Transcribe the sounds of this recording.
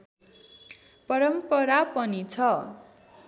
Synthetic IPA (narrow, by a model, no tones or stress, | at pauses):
pʌɾʌmpʌɾapʌnit͡sʰʌ